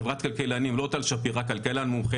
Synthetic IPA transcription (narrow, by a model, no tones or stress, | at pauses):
vʁat̪kalkelanimlot̪alʃapiʁakalkelanmumχe